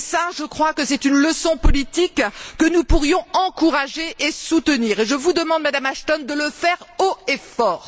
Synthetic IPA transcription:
saʒəkχwakəsɛt̪ynləsɔ̃pɔlit̪ikːənupuʁjɔ̃ɑ̃kuʁaʒeʔesut̪əniːʁeʒəvud̪əmɑ̃d̪mad̪amaʃt̪ɔnd̪ələfɛʁoefɔːʁ

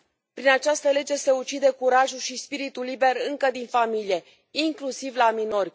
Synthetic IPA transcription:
pɾinat͡ʃast̪əle̞d͡ʒe̞se̞ut͡ʃid̪e̞kuɾaʒuʃispiɾit̪ulːibe̞rɨŋkəd̪infamilie̞ | iŋklusivlamino̞rʲ

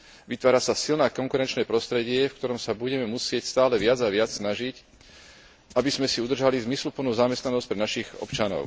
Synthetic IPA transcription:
ʋit̪ʋaːɾasasilnaːkɔŋkuɾɛnt͡ʃnɛːpɾɔst̪ɾɛɟɪɛfkt̪ɔɾɔmsabuɟɛmɛmusɪɛcst̪aːlɛʋɪad͡zaʋɪat͡ssnaʒic | ʔabizmɛsiud̪r̩ʒalizmislupl̩nuzamɛst̪nanɔsc̚pɾɛnaʃiɣɔ̰pt͡ʃanɔ̰ʊ

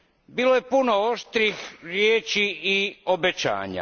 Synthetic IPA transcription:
biːlo̞jepuno̞oʃt̪ɾixɾjeːt͡ɕiio̞bet͡ɕa̰ːɲa̰

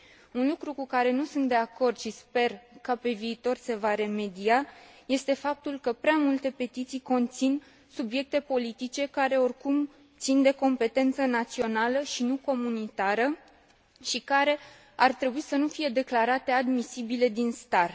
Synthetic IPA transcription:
unlukɾukukaɾe̞nusunt̪̚d̪e̞ako̞rd̪ʃispe̞rkəpe̞viːt̪o̞rse̞vaɾe̞me̞d̪iaje̞st̪e̞fap̚t̪ulkəpɾeamult̪e̞pe̞t̪it̪sijko̞nt̪sin | subje̞k̚t̪e̞po̞lit̪it͡ʃe̞kaɾe̞o̞rkum | t̪sind̪e̞ko̞mpe̞t̪e̞nt̪sənat̪sio̞naləʃinuko̞munit̪aɾə | ʃikaɾe̞ | art̪ɾe̞buisənufije̞d̪e̞klaɾat̪e̞ad̪misibile̞d̪inst̪ar

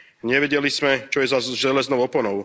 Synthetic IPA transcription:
ɲɛʋɛɟɛlismɛt͡ʃɔjɛzazʒɛlɛznɔʊɔpɔnɔʊ

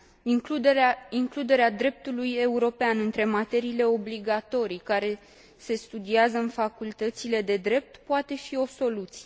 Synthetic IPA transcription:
iŋklud̪e̞ɾead̪ɾe̞p̚t̪uluje̞uɾo̞peanɨnt̪ɾe̞mat̪e̞ɾiːle̞o̞bliɡat̪o̞ɾijkaɾe̞ | se̞st̪ud̪iazəɨnfakult̪ət̪sile̞d̪e̞d̪ɾe̞p̚t̪poat̪e̞fio̞so̞lut̪sije

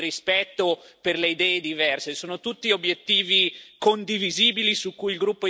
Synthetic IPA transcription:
rispɛt̪ːoperleid̪ɛːed̪ivɛrsesoːnot̪ut̪ːiobjet̪ːiːvikond̪iviziːbilisukːujilɡɾupːo

